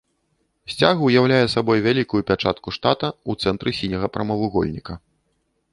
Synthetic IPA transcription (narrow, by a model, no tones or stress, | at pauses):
sʲt͡sʲaɣɐwjawlʲajɛsabɔjvʲalʲikujupʲat͡ʂat̪kuʂt̪at̪ɐut̪sɛnt̪ɾɨsʲinʲɐɣɐpɾɐmɐvˠuɣɔ̰lʲnʲikɐ